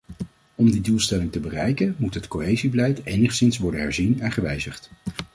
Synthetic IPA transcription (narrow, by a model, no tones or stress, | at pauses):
ɔmdidulˠstɛlɪŋtəbərɛjkənmutɦətkoɦejzibəlɛjtejnəχsɪnsʋɔɹdənɦɛɹzinɛnχəʋɛjzəχt